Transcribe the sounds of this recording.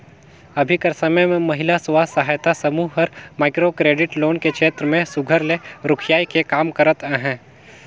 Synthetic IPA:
ɐbʱikəɾsəməjmẽmɐɦɪlasʊwaːsəɦaːjt̪asɐmuːɦəɾmaːkɾokɾeːɖɪʈloːnkekʰʃeːt̪ɾəmẽsʊɡʱəɾleɾʊkʰjaːikekaːmkəɾət̪ɛɦɛ̃ː

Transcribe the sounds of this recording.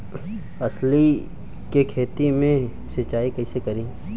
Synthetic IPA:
ɐsli | kekʰeːt̪imẽ | sɪt͡ʃaːikɐisekɐɾĩː

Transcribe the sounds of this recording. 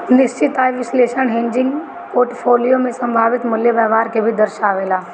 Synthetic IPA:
nɪst͡ʃɪt̪aːjʋɪsleːʃənɦɪ̃ɲd͡ʒɪ̃ŋɡ | poːɾʈpʰoːlijomẽsɐ̃mbʱaːʋɪt̪mʊljəʋəɦʋaːɾkʰebʱid̪əɾʃaːʋeːlaː

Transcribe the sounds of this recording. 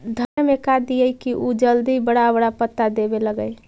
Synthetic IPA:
d̪ʱənmekad̪iəjkiʔud͡ʒəld̪ibəɽaəbəɽapət̪ːad̪ebeləɡəj

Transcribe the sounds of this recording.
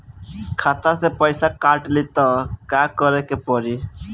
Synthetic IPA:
kʰat̪asepəjsakaɾʈlit̪ɔkakɔɾekepɔɾi

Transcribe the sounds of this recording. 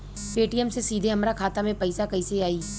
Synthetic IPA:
peːʈiəmsesiːd̪ʱeɦɐmɾakʰaːt̪amẽpɐɪsakɐiseaːiː

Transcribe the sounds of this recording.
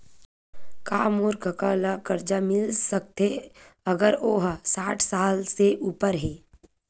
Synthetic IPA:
kaːmoːɾkəkaːlakəɾd͡ʒamɪlsək̚t̪eəɡəɾoːɦsaːʈʰsaːlseʔuːpəɾɦɛː

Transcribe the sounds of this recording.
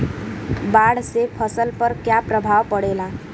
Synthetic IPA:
baɽsepʰəsəlpəɾkjapɾəbʱaʋpəɽela

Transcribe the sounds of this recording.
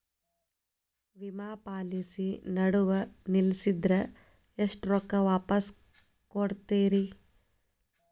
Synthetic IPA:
ʋimaːpaːlisinɐɽuʋɐnilsid̪ɾɐ | eʂʈɾɔkːɐʋaːpɐs | koɽt̪eːɾi

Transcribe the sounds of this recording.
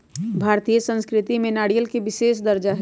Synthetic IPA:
bʱaːɾt̪ijəsə̃nskɾɪt̪imẽnaːɽijəlkeʋɪʃeːʃd̪ɐɾd͡ʒaɦ

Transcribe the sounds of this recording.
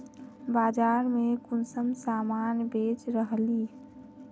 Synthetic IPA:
bad͡ʒaɾmekunsəmsamanbet͡ʃɾəɦli

